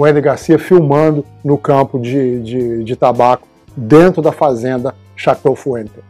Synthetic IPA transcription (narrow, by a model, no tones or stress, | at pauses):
uẽd̪ɪɡaɾsiɐfiwmɐ̃nd̪ʊ | nʊkɐ̃pʊd͡ʒɪd͡ʒɪd͡ʒɪt̪abakʊ̥ | d̪ẽnt̪ɾʊd̪ɐfazẽnd̪ɐ | ʃat̪ofuẽnt̪e